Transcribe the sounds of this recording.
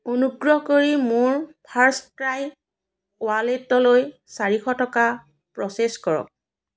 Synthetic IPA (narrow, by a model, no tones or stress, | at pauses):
onuɡɹɔɦɔkoɹimʊɹpʰaɹstɹaj | ʊaletːɔloj | saɹixɔtɔka | pɹɔseskɔɹɔ̰k̚